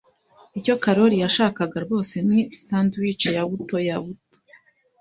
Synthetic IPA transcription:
ico̞kaɾo̞ɾijaʃaːkaɡaɾɡo̞ːse̞nisaːntuwiːt͡ʃejaβuto̞jaβuto̥

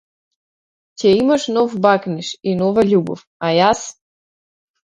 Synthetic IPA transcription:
cɛimaʃnɔfbakniʃinɔvaʎʲubɔ̰f | ajas

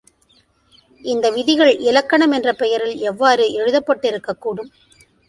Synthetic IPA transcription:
ɪnd̪ɐʋɪðɪɣɐɭɪlɐkːɐɳɐmɛndrɐpɛjɐɾɪlɛʋːaːɾɯʔɛɻɯðɐpːɐʈːɪɾɯkːɐkːuːɽɯm

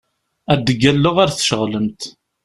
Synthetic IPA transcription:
æd̪əɡælːʊʁaɾθʃəʁləmt̪

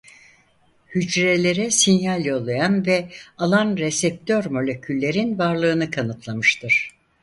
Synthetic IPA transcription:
hyd͡ʒɾelʲe̞ɾɛsinjalʲjo̞lˠajanvɛalˠanɾesɛp̚t̪ʰøɾmo̞lʲe̞cʰylʲːe̞ɾinvaɾlˠɯːnɯkʰanɯt̪ʰlˠamɯʃt̪ʰɯɾ̥

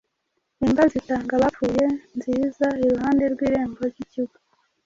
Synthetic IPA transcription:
imbazitaːŋɡaβafuːje̞nziːzaiɾuɦaːnde̞ɾɡwiːɾe̞ːmbo̞ɾiciɡa

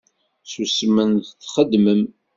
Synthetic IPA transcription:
susmənðθχəd̪məm

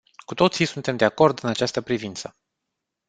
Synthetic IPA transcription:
kut̪o̞t̪sisunt̪e̞md̪eako̞rd̪ɨnat͡ʃast̪əpɾivint̪sə

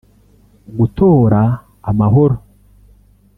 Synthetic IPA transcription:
ɡutoːɾaː | maɦoɾo

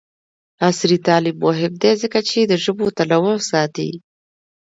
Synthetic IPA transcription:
asɾit̪ɑlɪbːoɦɪb̚d̪ezəkat͡ʃed̪əʒəbot̪alawasɑt̪ḭ

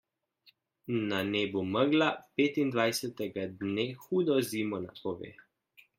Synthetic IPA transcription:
naneːbuməɡlapeːt̪ind̪ʋajsɛt̪ɛɡad̪neːxuːd̪ɔziːmɔna̰pɔʋḛː

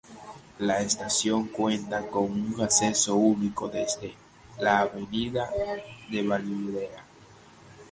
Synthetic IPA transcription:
laest̪asjo̞ŋkwent̪ako̞ŋuŋaseso̞uniko̞ðezd̪e̞ | laːβeniðaðe̞βaliðea

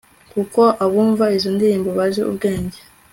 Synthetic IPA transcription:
kuko̞ʔaβuːɱvaizondiɾiːmboβaʒeʔṵb̚ɡeːɲɟe

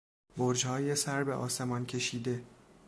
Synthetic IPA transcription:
boɾd͡ʒhɒːjesæɾbeʔɒ̰ːse̞mɒncʰe̞ʃiːd̪e̞

